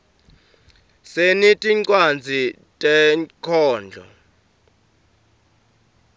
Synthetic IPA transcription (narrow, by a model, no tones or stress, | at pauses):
senitʼiǀʼwand͡zʱi | tʼɛkʰɔːnd͡ɮʱɔ̰